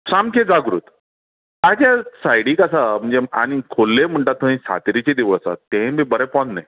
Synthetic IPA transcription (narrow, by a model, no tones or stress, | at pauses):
samkʰed͡zaɡɾṵːt̪ | ad͡ʑjasajɽiːkəsam̤əɳd͡zea̰ñikʰolːem̤əɳʈ̪at̪ːə̃ĩsa̰t̪ɾit͡ɕed̪iʋəəsa̰t̪ẽmibəɾapɔnːaj